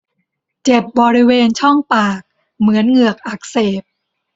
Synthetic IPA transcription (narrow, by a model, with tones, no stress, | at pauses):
t͡ɕe˨˩p̚bɔː˧ɾi˦˥weː˧nt͡ɕʰɔ˥˩ŋpaː˨˩k̚ | mɯ˩˦ənŋɯ˨˩ək̚ʔa˨˩k̚seː˨˩p̚